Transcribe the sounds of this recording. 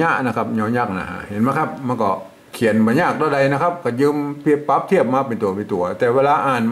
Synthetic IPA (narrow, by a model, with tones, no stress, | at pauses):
ɲa˦˥ʔna˦˥˩kʰa˦˥p̚ɲɔː˧˥nɲaː˦˥˩k̚na̰˧˩ha̰˧˩he˨˩˦nma˧˥˩kʰa˦˥p̚ma˧nkɔ˧˩ | kʰi˨˩˦ənba˧˦ɲaː˥˩k̚daː˧˩da˧jna˦˥kʰa˦˥p̚kɔː˧˩jɯː˧mpʰi˧˥˩pːa˦˥p̚t̪ʰi˥˩əp̚maː˧˩pe˧nt̪u˨˩˦ɐpe˧nt̪u˨˩ɐt̪ɛː˨˩weː˧laː˧ʔaː˨˩nm